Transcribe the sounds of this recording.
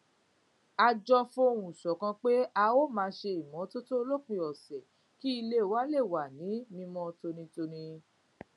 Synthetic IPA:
a˧d͡ʒɔ˧fũ˦o˧ɾũ˨sɔ˨kã˧k͡pe˦a˧o˦˨mãː˨˧˦ʃe˧i˨mɔ̃˨˦to˦to˦o˧lo˦k͡pĩ˧ɔ˨sɛ˨ | ki˦i˧le˦˨wa˦le˦˨wa˨nĩ˨˦nĩ˧mɔ̃˧to˧nĩ˧to˧nĩ˧

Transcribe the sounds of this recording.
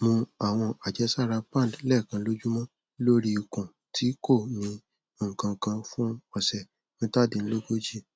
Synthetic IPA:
mũ˧a˨w̃ɔ̃˧a˨d͡ʒɛ˨˦sa˦˨ɾa˧pã˦˨dlɛ˦˨kã˧lo˦d͡ʒu˦mɔ̃˦ | lo˦ɾi˧i˨kũ˨ | tʰi˨˦ko˦˨nĩ˧˦ | o˨ŋ̩̃˨kã˧kã˧fũ˦ɔ˧˨sɛ˨ | nĩ˦ta˦˨de˧n̩˦lo˦ɡo˦d͡ʒi˦˨

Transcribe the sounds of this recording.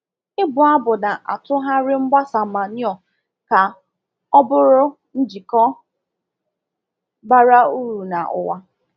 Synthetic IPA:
ɪ˦bʊ˨a˦bʊ˨nda˨ʔa̰˨tʊ˦ɦa˦ɾɪ˦ŋ͡m̩˦ɡ͡ba˦sa˨ma˨ɲ˦ɔ˨ | ka˨ | ɔ˦bʊ˦ɾʊ˦ | n̩˦d͡ʒi˨kɔ˦ | ba˦ɾa˦u˦ɾu˨na˨ʔʊ̰˨wa˦

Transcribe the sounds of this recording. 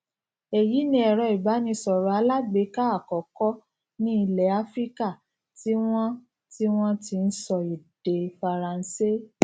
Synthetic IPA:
e˨ji˨˦nĩ˦ɛ˨ɾɔ˧˨i˨ba˨˦nĩ˧sɔ˨ɾɔ˨˦a˧la˦ɡ͡be˨˦ka˦a˦˨kɔ˨kɔ˦ | nĩ˦i˧lɛ˨˦a˨˦fɾi˦ka˦˨ | ti˦w̃ɔ̃˦ | ti˦w̃ɔ̃˦ti˧n̩˦sɔ˧i˨d̥e˨fa˧ɾã˨n̩˦se˦

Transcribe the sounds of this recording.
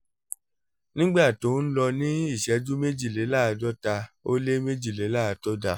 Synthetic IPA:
nĩ˦ɡ͡ba˦˨to˨˦n̩˦lɔ˧nĩ˦i˦˨ʃɛ˨˦d͡ʒu˦me˦d͡ʒi˦˨le˨˦la˦˨a˧dɔ˦ta˧o˦le˦me˦d͡ʒi˦˨le˨˦la˦˨˦tɔ˦da˧

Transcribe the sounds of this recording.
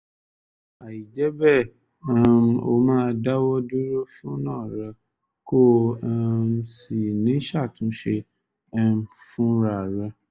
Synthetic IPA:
a˨ji˨d͡ʒɛ˦bɛ˦˨˦ | m˦o̰˧mãː˦˧da˦wɔ˦du˦ɾo˦fũ˦nãː˦˨ɾa˧ | ko˦˧ | m˦si˨nĩ˨˦ʃa˦˨tũ˨˦ʃe˧˦ | fũ˦ɾa˨ɾa˧

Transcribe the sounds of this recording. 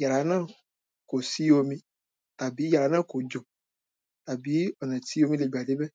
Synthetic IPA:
ja˨ɾa˨˦nã˦ | ko˨si˦o˦mĩ˦ | ta˨bi˨˦ja˨ɾa˨˦nã˦˨ko˨d͡ʒo˨ | ta˨bi˨˦ɔ˨nɛ̃˨ti˦o˦mĩ˦le˨ɡ͡ba˨de˦bɛ˦

